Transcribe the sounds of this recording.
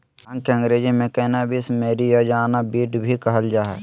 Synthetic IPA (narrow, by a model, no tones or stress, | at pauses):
ɐ̃ŋkə̃ŋɡɾeːd͡ʒimẽkɛnabʱismeːɾijad͡ʒaːnabiːʈbʱikəɦəld͡ʒaːɦɛ̰